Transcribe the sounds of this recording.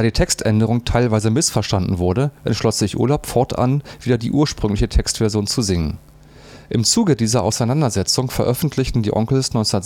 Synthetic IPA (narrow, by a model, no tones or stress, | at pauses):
d̥aːdiːtʰɛkstʔɛndəʁ̞ʊŋtʰaɪlvaɪzəmɪsfɛɐʃtandn̩vʊɐɾəʔɛ̰ntʃlɔsz̥ɪçʔṵɐlaʊpfɔɐtʔa̰nv̥iːdɐdiːʔuːɐʃpʁ̥ʏŋlɪçətʰɛkstv̥ɛɐzjoːnt͡suzɪŋən | ʔɪmt͡suːɡədiːzɐʔaʊsaɪnandɐzɛt͡sʊŋfɛɐʔœfn̩tʰlɪçtn̩diːʔɔ̰ŋkl̩snɔʏnt͡snɐ